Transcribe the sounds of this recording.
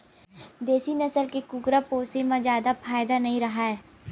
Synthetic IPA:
d̪eːsinɐsəlkekʊɡɾapoːsemãzjaːd̪afʰaːjd̪anɐɦĩɾɐɦaɦɛː

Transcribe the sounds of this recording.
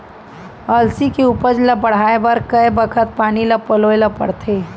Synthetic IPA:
ɐlsikeuːpəd͡ʒlɐbɐɽ̤aːebɐɾkəebəkʰət̪̚paːnilɐpəloelɐpɐ̰ɽt̪ʰeː

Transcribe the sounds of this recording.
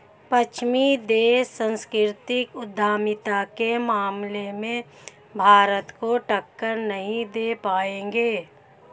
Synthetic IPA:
pət͡ʃʰmid̪eːsə̃nskɪɾt̪ɪkʊd̪ʱːaːmɪt̪akemaːmlemẽ | bʱaːɾət̪koʈəkːəɾnəɦĩd̪eːpaːẽːɡeː

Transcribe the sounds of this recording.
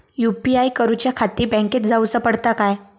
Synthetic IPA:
jupiajkəɾut͡ɕjakʰat̪iːbɛ̃ŋket̪̚d͡zausəpəɽt̪akaj

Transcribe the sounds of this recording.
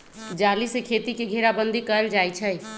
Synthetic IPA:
d͡ʒalisekʰet̪ikeɡʱeɾabənd̪ʱikəɾəld͡ʒajt͡ʃʰəj

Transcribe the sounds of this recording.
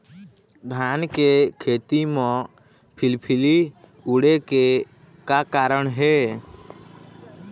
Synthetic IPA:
bʱaːnkekʰeːt̪imɔ̃ | pʰɪlpʰɪliuɽeke | kakaːɾəɳ̃ɦɛː

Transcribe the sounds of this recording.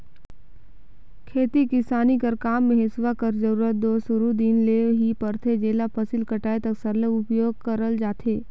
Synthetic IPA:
kʰeːt̪ikɪsaːnikəɾkaːmːẽɦɪsʋakəɾd͡ʒəɾuːɾət̪̚d̪oːsʊɾud̪iːnleːʋɦipɐɾt̪ʰed͡ʒeːlapʰɐsilkɐʈaːet̪ɐksəɾləʊpjoːɡ̚kəɾəld͡ʒaːt̪ʰeː

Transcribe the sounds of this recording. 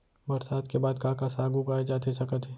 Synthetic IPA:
bɐɾsaːd̪kebaːd̪kãːkasaːɡuɡaːed͡ʒaːt̪ʰesɐkət̪ʰe

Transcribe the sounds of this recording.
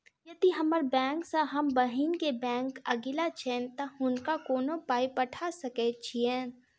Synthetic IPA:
jɐd̪iɦɐməɾbɛ̃ːŋksãɦɐmbəɦinkebɛ̃ːŋkɐɡɪlat͡ʃʰeːnt̪ɐhʊnkakoːnõpaːipɐʈʰasɐkɛt͡ʃʰiɛ̃

